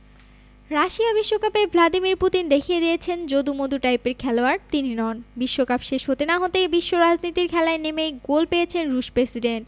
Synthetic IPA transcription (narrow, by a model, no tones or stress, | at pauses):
ɾaʃiabiʃːokapebʱlad̪imiɾput̪ind̪ekʰijed̪iet͡ɕʰend͡ʑod̪umod̪uʈajpeɾkʰɛloaɾt̪ininɔnbiʃːokapʃeʃɦot̪enaɦot̪ebiʃːoɾad͡ʑnit̪iɾkʰɛlaenemejɡolpejet͡ɕʰenɾuʃpɾesiɖenʈ̚